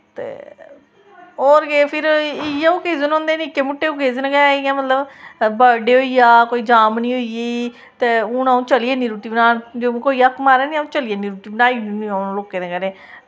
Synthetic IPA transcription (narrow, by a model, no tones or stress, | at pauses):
t̪ḛː | ɦoːɾɡeːpʰɪɾɪjaːoːkeːzənõːnd̪eːniːkeːmʊʈːeːukeːzənɡɛɪjãːmət̪ləbbəɖeːɦoːiːaːkoːiːd͡ʒaːmnĩːɦoie | t̪eːʊnaũːt͡ʃəlieːniːɾuːʈiːbnaːd͡ʒõːkoːiːəkʰːmaːɾɛːniːũːt͡ʃəliːeniːɾuːʈiːbənaːinːniãloːkẽːnẽːkəɾẽː